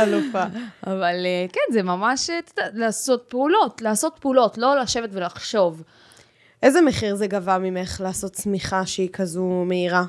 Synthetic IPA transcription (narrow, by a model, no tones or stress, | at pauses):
alufaavalekenzemamaʃet̪od̪alaːso̞t̪̚peulo̞tlaːso̞t̪̚peulo̞tlo̞laʃevetve̞laχʃo̞v | ʔezemeχiʁzeɡavamime̞χlaːso̞tt͡smiχaʃeikʰazume̞iʁa